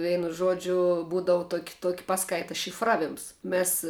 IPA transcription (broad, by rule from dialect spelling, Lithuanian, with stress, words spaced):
ˈʋʲɛɪnʊ ˈʒuɔd͡ʒʲʊ ˈbuːdɐʋʊ ˈtuɔkʲɪ ˈtuɔkʲɪ ˈpɑːˌskɐɪtɐ ʃʲɪf ˈrɑːˌʋʲɪms ˈmʲeːs